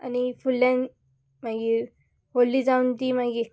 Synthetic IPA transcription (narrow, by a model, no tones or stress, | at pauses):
a̰nifulːãn | maɡi | holːid͡zaunt̪imaɡie